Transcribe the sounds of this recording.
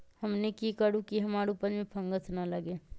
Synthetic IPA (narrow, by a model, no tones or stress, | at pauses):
hɐmnekikəɽũkiɦɐmaːɾupəɾmẽpʰɐ̃ŋɡəsnaləɡeː